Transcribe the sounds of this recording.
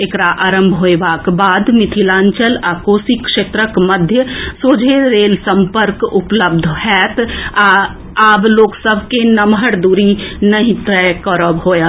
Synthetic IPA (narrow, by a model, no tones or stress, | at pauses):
ekɾaʔaːɾəmbʱɦoebakbad̪mit̪ʰilãːnt͡ʃəlakoːsikʃeːt̪ɾəkməd̪ʱjəsod͡ʒʱeɾelsəmpəɾkupləbd̪ʱhɛt̪a | abloːksəbʱkenəmɦəɾd̪uɾinəɦĩt̪ɛkəɾəbɦojə